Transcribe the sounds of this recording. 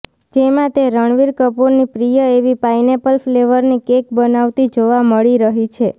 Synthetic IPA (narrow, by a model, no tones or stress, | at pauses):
d͡ʒemãt̪eɾəɳʋiɾkəpoɾnipɾijəeʋipajnepəlfleʋəɾnikek̚bənaʋt̪id͡ʒoʋaməɭiɾəɦit͡ʃʰe